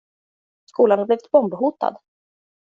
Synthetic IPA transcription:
skuːlanhaɾbliːvɪ̥t̪̚bɔmbɦuːt̪a̰d̪

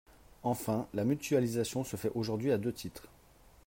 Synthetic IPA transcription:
ɑ̃fɛ̃lamyt̪ɥalizasjɔ̃səfɛʔoʒuʁd̪ɥiad̪øt̪ʰit̪χ

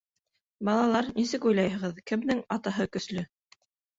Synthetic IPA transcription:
bɑlˠɑlˠɑɾnisɘkujlˠɑjhɤ̆ʁɤðkɘ̆md̪ɘŋɑt̪ɑɦɤkɵ̆slɵ

